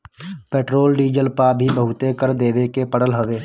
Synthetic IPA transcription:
peːʈɾoːlɖiːd͡ʒəlpabʱibəɦʊt̪ekəɾd̪eːʋekepəɽəlɦoʋeː

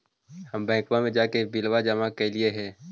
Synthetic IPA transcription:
həmbɛ̃ːkwamẽd͡ʒaːkebilwad͡ʒəmakelieɦɛ̃ː

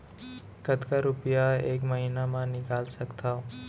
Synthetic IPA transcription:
kət̪kaɾʊpijaeːkməɦiːnamãnɪkaːlsɐkt̪ʰao

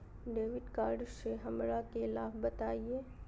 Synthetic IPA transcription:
ɖeːʋɪɖkaːɾɖseɦɐmɾakeɪlaːbbɐt̪aːieː

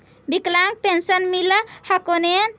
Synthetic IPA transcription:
biklaŋɡ̚pensənmiləhakonen

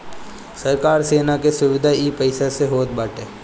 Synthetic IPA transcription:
sɐɾkaːɾseːnakesʊʋɪd̪ʱaiːpəɪsaseɦoːt̪̚baːʈeː

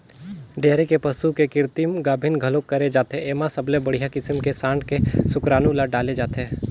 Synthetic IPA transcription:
ɖeːɾekepɐsukekɪɾt̪imɡaːbʱɪnɡʱɐlokːɐɾed͡ʒaːt̪eeːmasɐblẽbɐɽ̤ijakɪsəmkesãːɳɖkesʊkɾaːnulaɖaːled͡ʒaːt̪eː

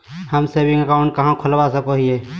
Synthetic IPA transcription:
həmseːbɪ̃ŋɡəkaʊ̃ɳʈ̚kɐɦãkʰʊlʋasəkoɦieː

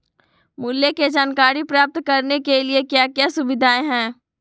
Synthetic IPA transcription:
mʊljeked͡ʒaːnkaːɾipɾaːp̚t̪kɐɾnekeliekjaːkjasʊbɪd̪ʱaːẽɦɛ̃ː

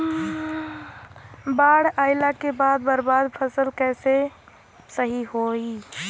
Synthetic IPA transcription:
baːɽaːɪlakebaːd̪̚bəɾbaːd̪pʰəsəlkɛːse | səɦiɦoːi

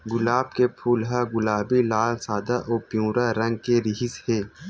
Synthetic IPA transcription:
ɡʊlaːb̚kepʰuːlɦaɡʊlaːbilaːlsaːd̪aʔɔːpjũːɾaɾɐ̃ŋɡ̚keɾɪɦɪsheː

